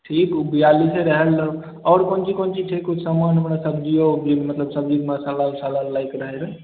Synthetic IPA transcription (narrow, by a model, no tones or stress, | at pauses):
ʈʰikubijaliseɾəɦel | ɔːɾkont͡ʃʰikont͡ʃiʈʰikusamanəpnasəbʱd͡ʒiobilmət̪ləbsəb̚d͡ʒiɡmãsalalsalalːaikɾəɦeɾə